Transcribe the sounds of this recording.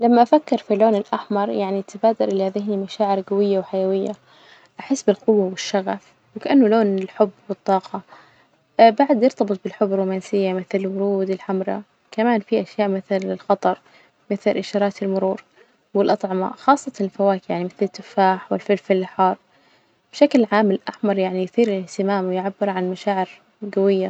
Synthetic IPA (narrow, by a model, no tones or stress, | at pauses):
lamːaʔafakːɪɾfiloːnɪlʔaħmɑɾˤjaʕnit̪ʰabaːd̪ɑlʔɪlːhaðɪhnimaʃaːʕɪɾɡawɪjːawħajawɪjːa̰ | ʔaħɪsːbɪlqʊwːawɪʃːaɣaf | wɪkaʔanːʊloːnɪlħʊbːwɨt̪ˤːɑːqʰɑ | baʕd̪jɪɾt̪ɑbɨt̪ˤbɪlħʊbːɪɾˤːuːmaːnsɪjːamɪθlɪlwʊɾuːd̪ɪlħamɾˤɑ̰ | kamaːnfiʔaʃjaːʔmɪθlɪlxɑt̪ˤɑɾˤ | mɪθlʔɪʃɑːɾˤɑːt̪ɪlmʊɾuːɾ | wɪlʔɑt̪ˤʕɑma̰xɑːsˤːɑt̪ɑnɪlfawaːkjaʕnimɪθlɪt̪ːʊfːaːħwɪlfɪlfɪlːɪħɑːɾˤ | b̥ʃaklʕaːmːɪlʔaħmɑɾˤjaʕnijʊθiːɾɪlɪht̪ɪmaːmwɪjʕabːɪɾʕanmaʃaːʕɪɾ | ɡawɪjːa